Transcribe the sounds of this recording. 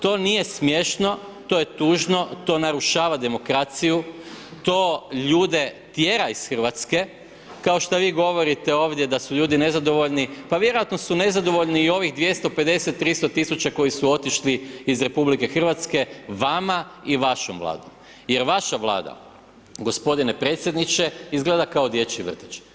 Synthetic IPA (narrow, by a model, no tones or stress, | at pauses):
t̪o̞ːnije̞smje̞ʃno̞t̪o̞ːje̞t̪uːʒno̞t̪o̞naɾuʃaːʋad̪e̞mokɾat̪sijut̪o̞ːʎuːd̪e̞t̪jeɾaisxr̩ʋat̪ske̞ | kao̞ʃt̪aʋiːɡo̞ʋo̞ɾit̪eo̞ːʋd̪je̞d̪asuʎuːd̪inezad̪o̞ʋo̞ʎnipaʋjeɾojat̪nosune̞zad̪o̞ʋo̞ʎniːo̞ʋiɣd̪ʋje̞st̪o̞pe̞d̪e̞set̪ːɾist̪o̞t̪ːisut͡ʃako̞jisuo̞t̪iʃliizɾe̞publike̞xr̩ʋat̪ske̞ʋamaiʋaʃomʋlˠa̰ːd̪om | je̞ɾʋaʃaʋlˠa̰ːd̪a̰ | ɡo̞spo̞d̪inepɾe̞ːt̪sʲjed̪nit͡ʃe̞izɡle̞ːd̪akao̞d̪je̞t͡ʃiʋr̩t̪i̥t͡ʃ